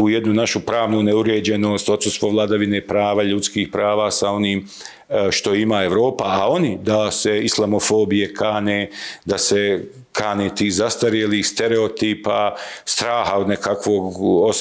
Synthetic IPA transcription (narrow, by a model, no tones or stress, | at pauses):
uːjed̪nunaʃupɾaːʋnuneuɾeːd͡ʑe̞no̞ːst̪o̞t̪sust̪ʋoʋlˠad̪aʋinepɾaːʋaʎut̪skiːhpɾaːʋaːsao̞niːm | ʃt̪o̞imae̞ʋɾo̞ːpaːo̞nid̪ase̞islˠamo̞fo̞ːbije̞kʰaːneːd̪ase̞ | kʰaːneːt̪iːhzast̪aɾjelist̪eɾeot̪iːpast̪ɾaːhaod̪nekʰakʋoɡos